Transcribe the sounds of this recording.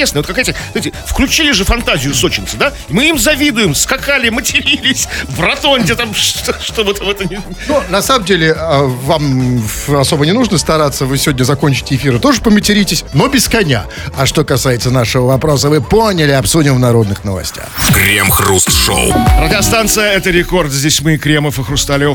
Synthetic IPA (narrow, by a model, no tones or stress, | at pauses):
esnəjəot̪kɐkajt̪əzaɪtʲɪfklʲʉt͡ɕilʲɪʐɨfɐnt̪azʲɪjʊso̞t͡ɕɪnʲt̪sɨd̪a | imɨimzɐvʲid̪ʊjɪmskɐkalʲɪmətʲɪɾʲilʲɪsʲvrɐt̪onʲtʲɪt̪amʂt̪oʂt̪obɨt̪amɛt̪ənʲɪ | nonɐsaməmdʲelʲɪəvam | ɐso̞bənʲɪnuʐnəst̪ɐɾat̪səvɨsʲɪvo̞dʲnʲəzɐko̞nʲt͡ɕɪ̥tʲɪɪfʲiɾɨt̪o̞ʐɨpəmʲɪtʲɪɾʲitʲɪsʲno̞bʲɪskɐnʲa̰ | ɐʂt̪o̞kɐsajɪt̪sənaʂɨvəvɐpɾo̞səvɨponʲɪlʲɪɐpsudʲɪmvnɐɾo̞d̪nɨxnəvɐ̰sʲtʲa̰xkɾʲemxrust̪ʂo̰wrədʲɪɐst̪ant̪sɨjəɛt̪əɾʲɪko̞rt̪zʲdʲesʲmɨkɾʲeməfɨxrʊst̪alʲ